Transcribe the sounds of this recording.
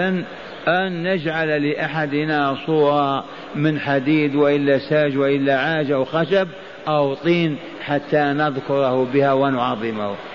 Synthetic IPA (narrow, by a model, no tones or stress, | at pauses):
an | ʔanːad͡ʒʕallɪʔaħad̪nasˤuːɾˤɑ | mɪnħad̪iːd̪wɪʔɪlːasaːʒwɪʔɪlːaʕaːʒawxaʃab̚ | ʔawt̪ˤiːn | ħat̪ːanɑðkʊɾˤhʊbɪhawɪnʊʕɑðˤːɪmah